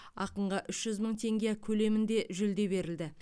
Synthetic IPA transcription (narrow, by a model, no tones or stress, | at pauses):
ɑqəɴʁɑʔʏʃʒ̥ʏzməɴt̪ʰe̞ŋɡʲekʲʰɵle̞mɪnd̪e̞ʒʏld̪e̞be̞ɾɪld̪ɪ